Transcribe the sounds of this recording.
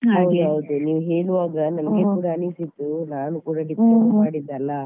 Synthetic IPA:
awɡɐʋud̪uniːʋuɦe̞ːɭuʋaːɡɐnɐmɐɡekuːɽaːnisid̪ːunaːnukuːɽɐɖiplomaːɽid̪ːɐlːɐ

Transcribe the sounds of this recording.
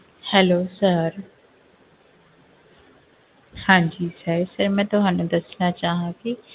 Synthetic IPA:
hɛloːsəɾ | hãːd͡ʑiːsəɾsɐɾmɛ̃ːt̪ʊɦaːnũd̪ɐsnat͡ʃaːɦãki

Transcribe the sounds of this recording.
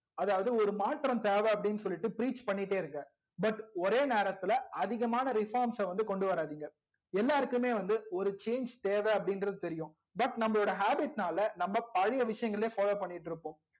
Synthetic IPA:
ɐðaːʋɐðɯɔɾɯmaːʈɾɐnt̪eːʋeɐpːɐɽɪnːɯs̬ɔlːɪʈːɯpɪɾiːt͡ʃpɐɳːɪʈːeːɪɾɯŋɡɐ | bɐʈɔɾeːneːɾɐt̪ːɪlɐʔɐðɪɣɐmaːnɐɾɪfaːɾmsɐʋɐnd̪ɯkɔɳɖɯʋɐɾaːðiːŋɡɐ | ɛlːaːɾɯkːɯmeːʋɐnd̪ɯɔɾɯt͡ʃeːnd͡ʒt̪eːʋeɐpːɐɽɪnɾɐðɯt̪ɛɾɪjʊ̃ː | bɐʈnɐmːɐɭoːɽɐɦaːbɪʈnaːlɐnɐmːɐpɐɻɪjɐʋɪʂɐjɐŋɡɐɭleːfaːloːpɐɳːɪʈːɪɾɯpːõː

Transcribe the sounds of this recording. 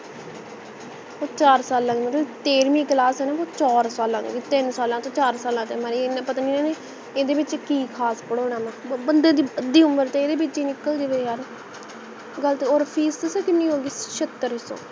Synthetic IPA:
oːt͡ʃaːɾsaːlãːeːmət̪lət̪eːɾmĩːklaːsɛːnãːoːt͡ʃɔːɾsaːlãːt̪ːit̪ɪnsaːlãːt̪õːt͡ʃaːɾsaːlãːt̪eːmɛːɾeenãːpət̪aniːnẽːneː | eːd̪eːbɪt͡ʃkiːkʰaːspəɽoːnãːmɛ̃ːbənd̪ẽːd̪iːəd̪iːʊmːəɾt̪eeːd̪eːbɪt͡ʃd͡ʒiːnɪkːəld͡ʒeːʋeːjaːɾ | ɡəlt̪eːoːɾpʰiːst̪əseːkɪnːĩːɦoːɡiːʃət̪ːəɾso̰ː

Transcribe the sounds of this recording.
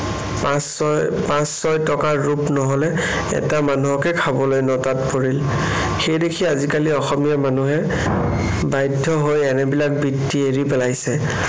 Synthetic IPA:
spãsːɔjtɔkaɹupnɔɦɔlɛɛ̰tamanuɦɔkɛkʰabɔlojnɔtatpoɹil | xejdekʰiazikaliɔxɔmijamanuɦɛ | bajdʱːɔɦojɛnɛbilak̚bitːieɹipɛlajsɛ

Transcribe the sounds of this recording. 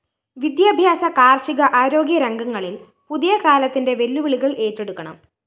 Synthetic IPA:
ʋid̪jaːbʱjaːsɐkaːrʂiɣɐʔaːɾo̞ːɡjɐɾɐŋɡɐŋːɐɭil | puðijɐkaːlɐt̪ːinde̞ʋe̞lːuʋiɭiɣɐɭe̞ːʈːe̞ɽukːɐɳɐ̰m

